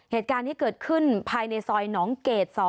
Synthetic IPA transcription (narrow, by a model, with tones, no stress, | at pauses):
heː˨˩t̪̚kaː˧nt̪ʰiː˥˩kɤː˨˩t̪̚kʰɯ˥˩npʰaː˧jna˧jsɔː˧jnɔː˩˦ŋkeː˨˩t̪̚sɔː˧˩